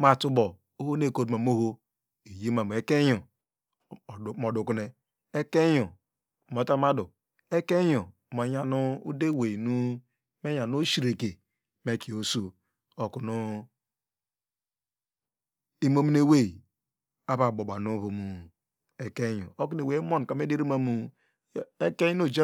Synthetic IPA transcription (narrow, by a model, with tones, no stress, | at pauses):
ma˦˨tu˦bɔ˨ | o˦ho˦ne˦˨ko˦tma˨m˦o˦ɦo˦ | e˨ji˦ma˨m˨e˦ke˦jo˨ | mɔ˨dʊ˨ku˦ne˦ | e˦ke˦jo˨ | mo˨ta˦ma˦dʊ˨ | e˦ke˦ɲo˨ma˨ɲa˦nu˦u˦de˦we˨i˨nu˦ | me˦ɲa˨no˦ʃi˦ɾe˨ke˨ | me˦ki˨o˦so˦ | o˨ku˨nu˦ | i˦mo˦mi˦ne˦we˦i˨ | a˦βa˨bo˨ba˨nu˦βo˨mu˨ | e˦ke˦jo̰˨o˦k̬u˦ne˨we˨i˦mo˦n˨ka˨me˦de˦ɾi˦ma˨mu˨˦ | e˦ke˦jno˨d͡ʒa˦